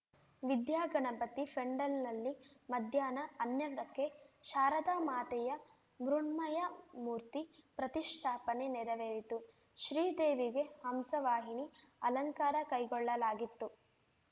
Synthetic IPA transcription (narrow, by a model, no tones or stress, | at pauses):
ʋid̪jaːɡɐɳɐbɐt̪ːipʰɾeɳɖɐlnɐlːimɐd̪ʱjaːnɐɐnjɐɽɐkːe̞ʃaːɾɐd̪aːmaːt̪ɛjɐ | mɾuɳmɐjɐmuːɾt̪ipɾɐt̪iʃʈ̪ʰaːpɐnenɛɾɐʋeːɾit̪u | ʃɾiːd̪eːʋiɡe̞hɐmsɐʋaːɦiniɐlɐŋkaːɾɐkɐjɡɔɭːɐlaːɡit̪ːu